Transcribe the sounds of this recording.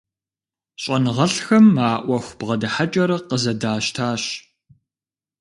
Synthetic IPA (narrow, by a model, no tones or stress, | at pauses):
ɕʼɐnɨʁɐɬxɐmːaːʔʷɐxʷb̥ʁɐdɐħat͡ʃʼɐɾɐqəzɐdaːʃtʰaːɕ